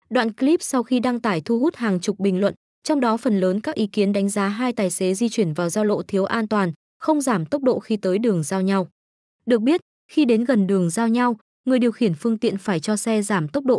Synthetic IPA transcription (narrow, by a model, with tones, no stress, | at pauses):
ɗwa̰ː˧˨nkli˦˥p̚sa˧wxi˧ɗa˧ŋt̪aː˧˩jt̪ʰu˧ɦu˦˥t̚haː˨˩ŋt͡ɕʊ˨˩k͡p̚ɓï˨˩ŋ̟lwə̰˧˨n | t͡ɕɔ˧wŋ͡mɗɔ˨˦fə˨˩nləː˨˦nkaː˦˥k̚ʔi˨˦ki˨˦nɗa˨˦ŋ̟zaː˨˦ɦaː˧jt̪aː˨˩jse˨˦zi˧t͡ɕwi˧˩ənvaː˨˩wzaː˧wlo̰˧˨t̪ʰi˨˦əwʔaː˧nt̪waː˨˩n | xə˧wŋ͡mzaː˧˩mt̪ə˦˥wk͡p̚ɗo̰˧˨xi˧t̪əː˨˦jɗɨ˨˩əŋzaː˧wɲa˧w | ɗɨ˨˩ək̚ɓi˦˥ət̚ | xi˧ɗe˨˦nɣə˨˩nɗɨ˨˩əŋzaː˧wɲa˧w | ŋɨ˨˩əjɗi˨˩əwxi˧˩ənfɨ˧əŋt̪ḭ˧˨ənfaː˧˩jt͡ɕɔ˧sɛ˧zaː˧˩mt̪ə˦˥wk͡p̚ɗo̰˧˨